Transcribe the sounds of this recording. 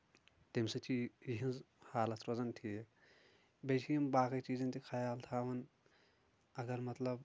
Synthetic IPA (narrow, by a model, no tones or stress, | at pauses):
t̪ɪmset͡ʃijiɦinz | haːlɐt̪ɾozɐnʈʰiːɦe | bet͡ʃʰijimbaːkit͡ʃiːzẽnt̪ikʰɐjaːlt̪ʰaːʋɐn | ɐɡɐɾmɐt̪lɐb